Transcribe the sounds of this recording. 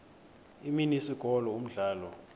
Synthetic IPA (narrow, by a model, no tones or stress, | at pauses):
iminisiɡ̥ʱɔlɔum̩ɮaːlɔ